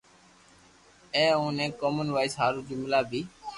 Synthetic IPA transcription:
ẽːũːnẽːkoːmənʋaːɪsɦaːɾũːd͡ʒʊmlaːbʱiː

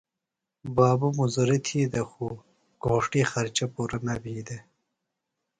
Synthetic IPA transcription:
bɑːbumuzɐɾit̪ʰiːd̪ɐxu | ɡ̥oːʂʈiːxɐɾt͡ʃɐpuɾɐnɐbiːd̪e

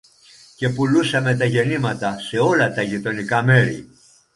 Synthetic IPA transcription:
ce̞pulusɐme̞t̪ɐʝe̞nimɐt̪ɐse̞o̞lɐt̪ɐʝit̪o̞nikɐme̞ɾḭ

